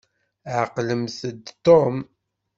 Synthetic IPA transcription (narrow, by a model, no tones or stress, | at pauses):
ʕəqləmθəd̪t̪ːom